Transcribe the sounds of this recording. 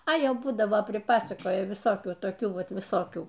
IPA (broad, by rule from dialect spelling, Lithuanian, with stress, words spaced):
ɐ ˈjɛʊ ˈbuːdɐʋoː pʲrʲɪˈpɑːsɐkoːjɛ ʋʲɪˈsoːkʲuː toːˈkʲuː ˈʋɐt ʋʲɪˈsoːkʲuː